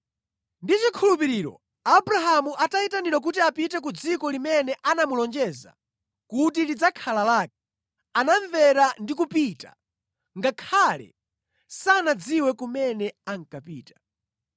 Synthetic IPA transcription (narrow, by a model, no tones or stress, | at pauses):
ndit͡ʃikʰulupiɾiːɾɔ̰ | abɾaɦamuʔataitaniɾɔk̬utiapitɛk̬ud͡zikɔlimɛnɛʔanamulɔnd͡ʒɛza̰ | kut̬ilid͡zakʰalalaːk̚ɛ | anaɱvɛɾandikupita̰ | ŋɡakʰalɛ̰ | sanad͡ziwɛkumɛnɛaŋ̩kapiːtḁ